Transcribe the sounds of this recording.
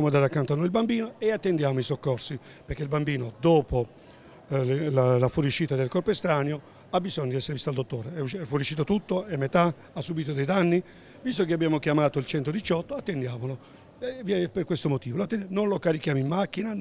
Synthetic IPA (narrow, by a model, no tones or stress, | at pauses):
moand̪aɾakːant̪oanːojilbambiːnoeat̪ːend̪jaːmoisokːɔrsi | peɾkeilbambiːnod̪oːpo | lalafuɾjuʃːiːt̪ad̪elkɔrpoest̪ɾaːnjo | abːizɔɲːod̪iɛsːeɾevist̪ald̪ot̪ːoːɾeɛuɛfːuɾiuʃːiːt̪ot̪ut̪ːoɛmːet̪a | asːubiːt̪od̪ejd̪anːi | vist̪ok̬eabːjaːmokjamaːt̪oilt͡ʃɛnt̪od̪it͡ʃɔt̪ːoat̪ːend̪jaːmolo | vɛperkwest̪omot̪iːvoloat̪ːɛnnonlokaɾik̟jaːmoimːak̟ːina